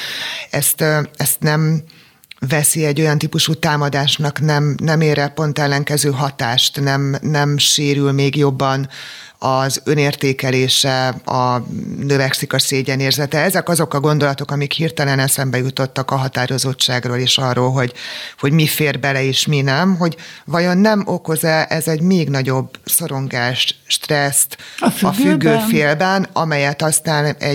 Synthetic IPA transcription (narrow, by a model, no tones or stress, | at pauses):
ɛst̪ɛst̪nɛm | vɛsiɛɟːo̞jɒnt̪iːpuʃut̪aːmɒd̪aːʃnɒknɛmnɛmeːɾɛpo̞nt̪ɛlːɛŋkɛzøːɦɒt̪aːʃt̪nɛmnɛmʃeːɾylmeːɡjo̞bːɒn | ɒzø̞neːrt̪eːkɛleːʃɛɒnøvɛksikɒseːɟɛneːrzɛt̪ɛɛzɛkɒzo̞kɒɡo̞nd̪o̞lɒt̪o̞kɒmikhirt̪ɛlɛnɛsɛmbɛjut̪o̞t̪ːɒkɒɦɒt̪aːɾo̞zo̞t͡ʃːaːɡroːleːʃɒrːoːlɦo̞ɟho̞ɟmifeːrbɛlɛeːʃminɛmɦo̞ɟvɒjo̞nːɛmo̞ko̞zɛʔɛzɛɟmeːɡnɒɟo̞bso̞ɾo̞ŋɡaːʃʃt̪rɛst̪fɒfyɡːøːfeːlbɛnɒmɛjɛt̪ɒst̪aːnɛ̰